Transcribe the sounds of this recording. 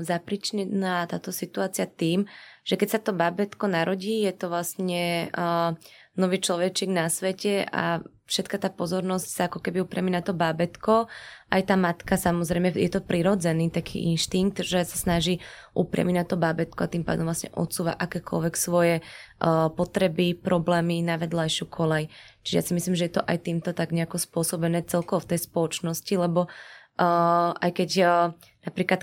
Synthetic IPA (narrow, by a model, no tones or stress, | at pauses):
zapɾit͡ʃiɲɛnat̪aːt̪ɔsit̪uaːt͡siɪat̪iːmʒ̥ɛkɛcsat̪ɔbabɛt̪kɔnaɾɔɟiːjɛt̪ɔʋlasɲɛ | nɔʋiːt͡ʃlɔʋɛt͡ʃiːɡnasʋɛcɛʔa̰ | fʃɛt̪kat̪aːpɔzɔɾnɔscsaakɔkɛbiupɾɪjaminat̪ɔbabɛt̪kɔʔajt̪aːmat̪kasamɔzɾɛjmɛjɛt̪ɔpɾiɾɔd͡zɛniːt̪akʰḭːʔḭnʃt̪iŋɡ̚t̪ʒɛsasnaʒiːʔṵpɾɪa̰minat̪ɔbabɛt̪kɔat̪impa̰ːd̪ɔmvlasɲɛ̰ʔɔ̰t̪suːʋa̰ʔakɛːkɔ̰lʋɛksʋɔjɛ | pɔt̪ɾɛbipɾʔɔblɛːminaʋɛd̪lajʃukʰɔlɛjt͡ʃi̥ʒɛja̰simislimʒɛjɛt̪ɔʔajt̪iːmt̪ɔt̪aɡɲɛakɔspʊɔsɔbɛnɛːt͡sɛlkɔʋɔft̪ɛjspɔlɔt͡ʃnɔscilɛbɔ | ʔa̰jkɛc | napɾiːklat̪